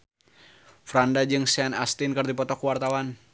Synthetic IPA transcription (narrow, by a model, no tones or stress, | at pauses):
fɾandad͡ʒɨŋsanast̪inkɨrdipɔt̪ɔkuwart̪awan